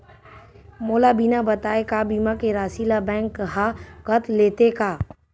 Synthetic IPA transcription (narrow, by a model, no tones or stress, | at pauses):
moːlabinabɐt̪aːekabiːmakeɾaːsilabɛ̃ːŋkɦakɐt̪leːt̪ekaː